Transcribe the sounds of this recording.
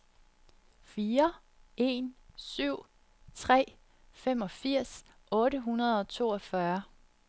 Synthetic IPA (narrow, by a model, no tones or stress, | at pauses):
fiːɐ | e̝̰ːnsyʊ̰ | t͡sʰʁɛ̰ː | fem̰ɒ̽fiɐ̰s | ʔɔ̽ːɾəɦunɐð̞̩ˠɒ̽t͡sʰo̝̰ːɒfɶɐ